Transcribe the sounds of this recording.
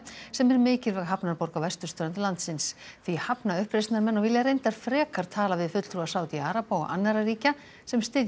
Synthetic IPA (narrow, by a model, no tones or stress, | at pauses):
sɛmɛɾmɪːcɪlvɛɣɦapnaɾpɔwɾkawvɛst̪ʏ̥st̪œːɾant̪ɪlant̪sɪnsθihapnaʏhpɾejst̪naɾmɛnːɔɣvɪljarejnt̪aɾ̥fɾɛːkaɾ̥t̪ʰaːlavɪðfʏt̪l̥t̪ɾuasaːwt̪iaːɾapawɔ̰ɣa̰nːaɾaɾiːca | sɛmst̪ɪːð